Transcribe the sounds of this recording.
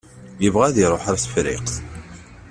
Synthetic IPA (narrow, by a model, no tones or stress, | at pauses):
jəvʁæðiɾˤoħaɾsfɾɪ̰qθ